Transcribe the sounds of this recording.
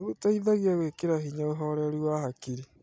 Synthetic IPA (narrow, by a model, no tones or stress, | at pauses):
ɣotaiðaɣiaɣwekeɾaɦiɲaoɦɔɾɛɾiwahakiɾi